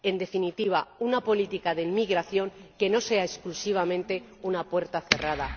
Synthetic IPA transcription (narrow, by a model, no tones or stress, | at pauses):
e̞nd̪e̞finit̪iβ̞aunapo̞lit̪ikaðeimiɣɾaθjo̞ŋke̞no̞se̞aesklusiβ̞amẽ̞nt̪e̞ | unapwe̞ɾt̪aθe̞rað̞a